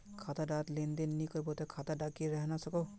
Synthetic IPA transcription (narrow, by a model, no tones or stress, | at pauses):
kʰat̪aɖat̪lend̪enːikɔɾbot̪ɛkʰat̪aɖakiɾɛɦɛnasɔko